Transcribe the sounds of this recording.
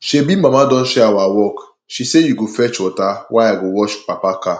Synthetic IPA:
ʃebim̩mamadɔn̩ʃɛawawɔk | ʃisejuɡofɛt͡ʃɔtawʔaaɡowɔt͡ʃpapaka

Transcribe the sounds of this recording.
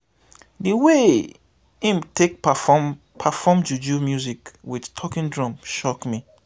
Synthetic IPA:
dəwe | ĩmtʰek̚ | pʰafɔmd͡ʒud͡ʒumjuzikwidtʰɔkĩndɹɔ̃mʃɔkmi

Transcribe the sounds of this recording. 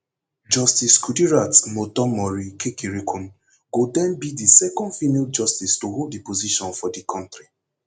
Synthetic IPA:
d͡ʒɔstiskudiɹatmotɔmɔɹikekiɹikʰũn | ɡodɛ̃nbidisɛkɔ̃ndfinald͡ʒɔstistoholdipoziʃɔ̃nfɔdikʰɔ̃ntɹi

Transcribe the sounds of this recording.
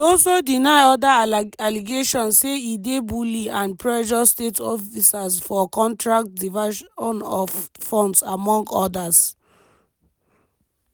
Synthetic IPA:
ɔlsodinaɪɔdaaliɡeʃɔ̃nsseidebuliãnpʰɹɛʃ̬ɔstetɔfisasfɔkɔ̃ntɹak̚tdivaʃɔ̃nɔffɔ̃ndsamɔ̃ŋɡɔdas

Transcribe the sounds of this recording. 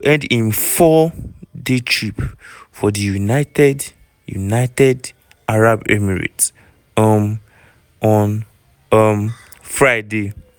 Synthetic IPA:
ʔɛ̃ndĩnfɔdetʰɹipfɔdijunaɪtɛd | jṵnaɪtɛd | aɹabɛmɛɹḭt | am | ɔn | m | fɹaɪde

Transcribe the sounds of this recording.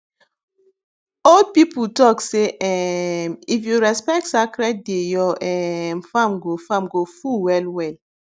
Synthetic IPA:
old̚piputɔkseʔɛmifjuɾɛspɛk̚tsakɾɛt̚dejɔʔɛmfamɡofamɡofuwɛlwɛl

